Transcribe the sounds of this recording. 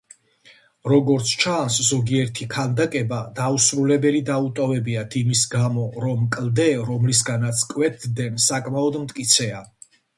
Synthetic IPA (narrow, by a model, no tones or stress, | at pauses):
ɾɔɡɔɾt̪sʰt͡ʃʰanszɔɡiɛɾt̪ʰikʰald̪akʼɛbad̪ausɾulɛbɛlid̪aut̪ʼɔvɛbiat̪ʰimisɡamɔɾɔmkʼld̪ɛɾɔmlis̬ɡanat̪sʰkʼwɛt̪̚ʰd̪ɛnsakʼmaɔd̪mt̪ʼkʼit̪sʰɛa